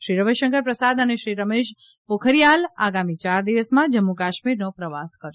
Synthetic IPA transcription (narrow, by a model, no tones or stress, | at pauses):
ʃɾiɾəmeʃəŋkəɾpɾəsad̪əneʃɾiɾəmeʃ | pokʰəɾijala̰ɡamit͡ʃaɾd̪iʋəsmãd͡ʒəmːukaʃmiɾnopɾəʋaskəɾjo